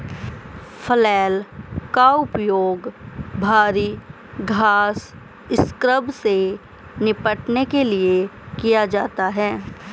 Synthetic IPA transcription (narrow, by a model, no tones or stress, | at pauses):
fʰəlɛːlkaʊpjoːɡbʱaːɾiː | ɡʱaːs | ɪskɾəbse | nɪpəʈnekelie | kijad͡ʒaːt̪aɦɛː